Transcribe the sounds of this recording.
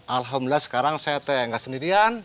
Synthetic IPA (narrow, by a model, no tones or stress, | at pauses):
ʔalɦamdəlasə̥kaɾaŋsajat̪aaŋɡasəndiɾian